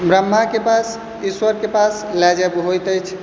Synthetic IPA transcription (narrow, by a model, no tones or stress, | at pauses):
bɾəmːakepas | iswəɾkepaslɛd͡ʒəbɦojt̪əjt͡ʃʰ